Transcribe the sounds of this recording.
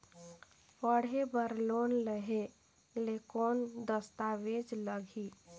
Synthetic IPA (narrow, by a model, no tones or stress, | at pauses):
pəɽebəɾlonləɦe | lekoːnd̪əst̪aʋed͡ʒləɡʱi